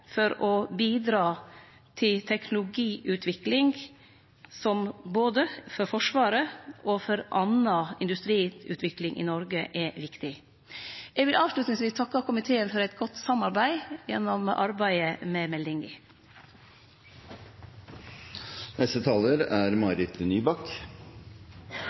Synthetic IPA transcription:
fɔɾɔbiːd̪ɾɑː | t̪ʰɪlt̪ʰɛknʊlʊɡiːʔʉːt̪ʰʋɪklɪŋ | sɔmboːd̪əfɔɾfɔʂʋɑːɾəʔɔfɔɾʔɑnɑɪ̰nd̪ʉst̪ɾiːʉ̰ːt̪ʰʋɪklɪŋʔɪ̰nɔɾɡəʔɛʋɪkt̪ɪ | ʔɛɡʋɪlʔɑːʋʂlʉt̪nɪŋsʋiːst̪ʰɑkːɑkʰʊmɪt̪ʰeːənfɔɾɛt̪ɡɔt̪ːsɑmɑɾbæɪjɛ̰nːɔmʔɑ̰ɾbæɪəmɛmɛld̪ɪŋɪ̰ | nɛst̪ət̪ʰɑːləɾæɾmɑɾɪt̪ənyːbɑkt̪

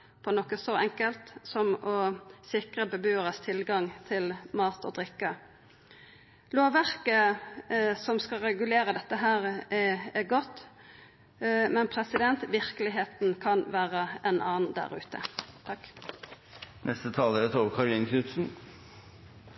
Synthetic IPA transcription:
pʰɔnɔkːəsɔɛŋkəlt̪sɔmɔsɪkʁəbəbyːəʁəst̪ʰɪlɡɑŋt̪ʰɪlmɑːt̪ɔ̰d̪ʁɪkːə | loːʋæʁkə | sɔmskɑɾɛɡʉleːɾəd̪ɛt̪ːəɦæːɾɛɛɡɔt̪ː | mɛnpʰɾɛsɪd̪ɛnt̪ʋɪɾkəlɪɦeːt̪nkʰɑnʋæːʁəʔɛnʔɑːnnd̪æ̰ʁʉ̰ːt̪ət̪ʰɑkː | nʔɛst̪ət̪ʰɑːləɾət̪ʰoːʋkʰɑɾɪnkʰʉt̪sn̩

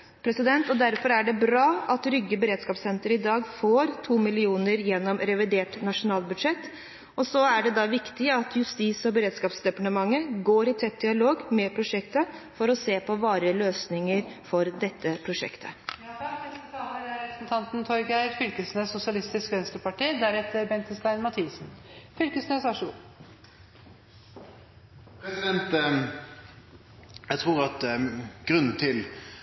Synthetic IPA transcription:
pʰɾɛsɪd̪ɛnt̪ɔd̪æɾfɔɾæɖɛbɾɑːʔɑt̪ɾʏɡːəbəɾeːd̪skɑːpsɛnt̪əɾɪd̪ɑːɡfoːɾt̪ʰuːmɪlɪuːnəɾjɛnːɔmɾɛʋɪd̪eːʈnɑʂʊnɑːlbʉd̪ʂɛt̪ː | ɔsɔæɖɛd̪ɑʋɪkt̪ɪɑt̪jʉst̪iːsɔbəɾeːd̪skɑːpsd̪ɛpɑʈəmɑŋːəɡoːɾɪt̪ʰɛt̪̚d̪ɪɑloːɡmɛpʰɾʊʂɛkt̪əfɔɾɔseːpʰɔʋɑːɾəløːsnɪŋəɾfɔɾd̪ɛt̪ʰːəpʰɾʊʂɛ̰kt̪ʰə̰ | ɛt̪ɑməɾæɾɛpɾəsnt̪ʰɑnt̪nt̪ʰɔɾɡæɪɛt̪fʏlkəsnəsʊsɪɑlɪst̪ɪskʋɛnst̪əpɑʈiːd̪æɾɛt̪ːəɾbɛnt̪əst̪æɪnmɑt̪ʰiːsn̩fʏlkəsnøːsɑʂu | pʰɾɛsɪd̪ɛnt̪ | jæɡt̪ʰʁuːʁɑt̪ɡ̥ɾʉnːn̩t̪ʰɪl

